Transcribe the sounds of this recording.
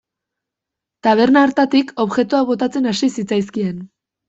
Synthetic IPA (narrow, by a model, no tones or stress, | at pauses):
t̪aβ̞e̞ɾnaːɾt̪at̪iko̞βʝe̞t̪uaβo̞t̪at͡se̞nasisit͡sajskie̞n